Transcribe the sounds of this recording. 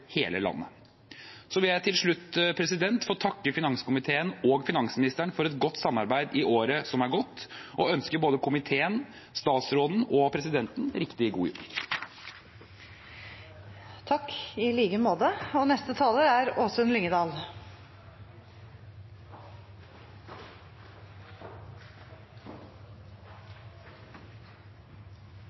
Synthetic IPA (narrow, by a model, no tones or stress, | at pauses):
hḛːləlɑ̰nːə̰ | sɔʋɪljæɪt̪ʰɪlʂɭʉt̪ːpʰɾɛsɪd̪ɛnt̪fɔːt̪ʰɑkːəfɪnɑŋskʊmɪt̪ʰeːənoːɡfɪnɑŋsmɪnɪst̪əɳfɔɾɛt̪ɡɔt̪ːsɑmːɑɾbæɪd̪ɪʔoːɾəsɔmæɾɡɔt̪ːʔɔœnskəɾboːd̪əkʰʊmɪt̪ʰeːən | st̪ɑːt̪sɾoːd̪n̩ɔpʰɾɛsɪd̪ɛnt̪nɾɪkt̪ɪɡṵːjṵb | t̪ʰɑkːɪliːɡəmoːd̪əɔnɛst̪ət̪ʰɑːləɾæɾoːsənlʏŋəd̪ɑːl